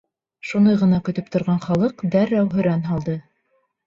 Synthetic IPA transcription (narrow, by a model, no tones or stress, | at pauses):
ʃund̪ɤjʁɤ̆nɑkɵ̆t̪ɵp̚t̪ŏɾʁɑnχɑlˠɤqd̪æɾːæwɦɵ̆ɾænɦɑlˠd̪ɤ